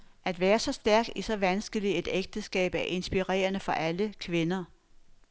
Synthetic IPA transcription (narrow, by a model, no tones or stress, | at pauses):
æd̥ʋæːɐsɒ̽sd̥æɐɡ̥isɒ̽ʋænsɡ̥əlide̝d̥eɡ̥̚d̥əsɡ̥ɛ̰ːb̥æɐʔe̝nsb̥iʁɛ̰ːɐnəfɒ̽ʔæləkʰʋe̝nɐ